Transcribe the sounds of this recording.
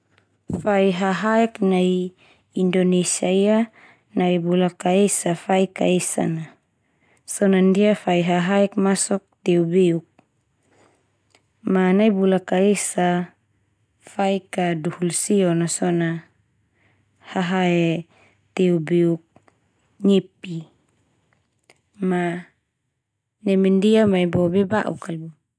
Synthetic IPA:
faiɦaɦaɛknaj | indonesiaia | naibulakaesafaika̰esa̰na | sɔnandiafaiɦaɦaɛk̚masɔk̚t̪eubeuk̚ | manajbulakaesa | faikaduhulsiɔnasɔna | haɦaɛ | t̪eubeuk̚ | ɲepi | ma | nɛmɛndiamaibɔbɛbaʔṵkalbɔ

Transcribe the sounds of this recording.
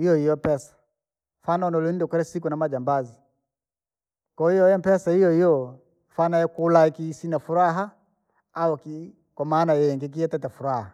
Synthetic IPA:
ijɔhijɔpɛsḁ | fanaɔnɔlunidɔkɛɾɛsikunamad͡ʒambazi | kɔijɔjɛmpɛsahijɔhijɔ | fanajɛkulaikisinafuɾaɦaː | ɔki | kwamaːnajɛjɛŋɡɛk̬iɛtɛtɛfuɾaha

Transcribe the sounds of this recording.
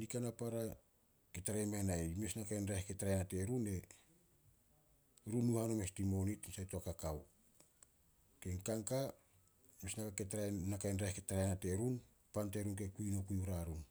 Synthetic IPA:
nikanapaɾa | ketaɾajmajname̞snakajnɾahketaɾajanate̞ɾune̞ | ɾunːuhano̞me̞stimo̞nitsajtoakakaw | keŋkaŋka | mesnakaketɾanakajnɾaketaɾajanate̞ɾun | pante̞ɾunk̬e̞kuino̞kujuɾaɾun

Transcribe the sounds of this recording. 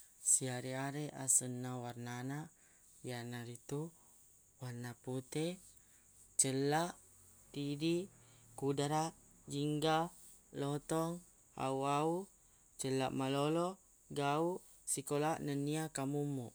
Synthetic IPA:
siaɾiaɾeʔa̰sənːawarnanaʔ | janaɾit̪u | warnaput̪e | t͡ʃəlaʔ | t̪idi | kudaɾaʔ | d͡ʒiŋɡa | lot̪ɔŋ | a̰uau | t͡ʃəlaʔmalolo | ɡauʔ | sikolaʔnəniakamumuʔ

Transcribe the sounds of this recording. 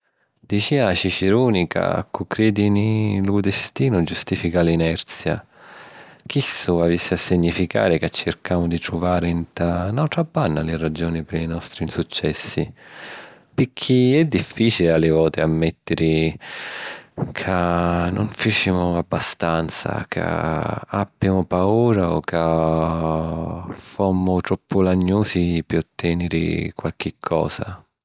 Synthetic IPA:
d̪̥it͡ʃiaʃit͡ʃiɾuːnikʰa̰a̰kːukːɾeːd̪inilud̪est̪iːnʊd͡ʒust̪iːfikalinɛrt̪sja̰ | k̟isːuavisːiasːiɲːifika̰ːɾɪkat͡ʃːɪrkʰaːmʊd̪it̪ɾuvaːɾɪnt̪anawt̪ɾabːanːalɪrad͡ʒɔːnipɪɾinɔst̪ɾinsut͡ʃːɛsːi | pɪkʰːiɛd̪ːifːiːt͡ʃilɪalːɪvɔːt̪ɪamːɛt̪ːɪɾi | kʰanːʔʊɱfit͡ʃimʊabːast̪ant̪sa̰kʰa̰abːjamʊpauːɾaɔ̰kʰːa | fomːʊt̪ɾɔpːʊlaɲːuːsipɪɔt̪ʰːɛːnɪɾɪ̰kwalk̟ɪkʰːɔ̰ːsa̰

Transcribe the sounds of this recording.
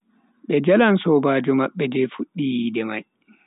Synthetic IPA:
ɓɛd͡ʒalansɔːbaːd͡ʒɔmaɓːɛd͡ʒɛfuɗːijiːdɛmaj

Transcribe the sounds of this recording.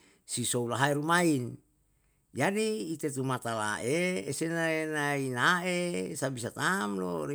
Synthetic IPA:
sisoulaɦaeɾumain | jadiːt̪et̪umat̪ala̰ʔeːsenaenainaesabisat̪amlo̰ri

